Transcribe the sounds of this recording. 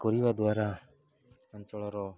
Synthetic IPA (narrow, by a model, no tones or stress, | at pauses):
kɔɾibad̪waɾa | ant͡ʃɔɭɔɾɔ